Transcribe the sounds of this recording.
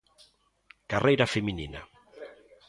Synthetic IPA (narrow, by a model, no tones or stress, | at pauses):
karejɾafeminḭna̰